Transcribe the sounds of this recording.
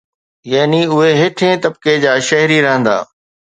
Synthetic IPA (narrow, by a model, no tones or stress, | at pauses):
jaːniʊɦeɦɪʈʰẽːt̪ɐb̚ked͡ʑaːʃɐɦɾiɾɐɦə̃nd̪a̰ː